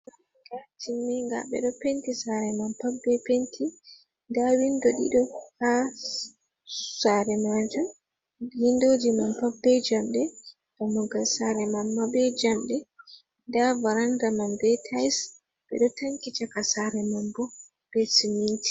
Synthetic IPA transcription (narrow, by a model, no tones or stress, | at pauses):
mam | ɡatʰimːɛŋɡa̰ɓɛ̰ɗɔpentisaɾɛmampabːɛpentʰi | ndawindɔɗḭɗɔka | saɾɛmad͡ʒum | jindod͡ʒimampabːɛd͡ʒamɗɛ | tamɔɡalsaɾɛmamːabɛd͡ʒamɗɛ | ndavaɾandamanbɛtʰajs | ɓɛ̰ɗɔtaŋkit͡ʃakasaɾɛmambɔ | b̥ɛsiminti̥